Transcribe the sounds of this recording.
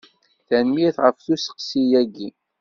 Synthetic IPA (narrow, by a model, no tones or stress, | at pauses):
θænmiθʁəfθusə̥qsijæɡi